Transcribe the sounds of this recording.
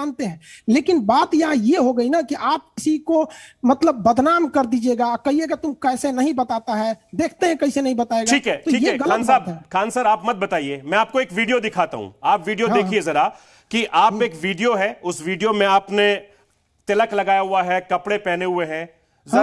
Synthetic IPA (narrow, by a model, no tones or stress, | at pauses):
aːnt̪eɦɛ̃ːleːkɪnbaːt̪jɐɦãjeɦoɡɐinakiʔaːp̚kɪsikomɐt̪ləbːɐd̪ʱnaːmkɐɾd̪iːd͡ʒieːɡaːkɐɦieɡat̪ʊmkɛːsenɐɦĩbɐt̪aːt̪aɦɛːd̪eːkʰt̪eɦɛ̃kɐɦisenɐɦĩbɐt̪aːeːɡaiːkɦɛʈt̪oiːjeɛɡɐlaəːnsaːbɛkʰaːnsəɾaːpmɐt̪̚bɐt̪aːieːmɛ̃aːp̚koeːkʋiːɖijod̪ɪkʰaːt̪a̰ɦṵ̃aːpʋiːɖijoɦ̪eːkʰiezɐɾa | kiʔaːpeːkʋiːɖijoɦɛʊsʋiːɖijomẽaːpne | t̪ɪləklɐɡaːjaɦuaɦɛkɐpɽepɛːneɦʊeɦɛ̃ː | z